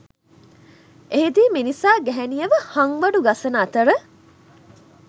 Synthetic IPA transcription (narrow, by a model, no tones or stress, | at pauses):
eɦed̪iːminisaːɡɛɦɛnijəʋəhaŋʋɐɖuɡɐsɐnaːt̪əɾə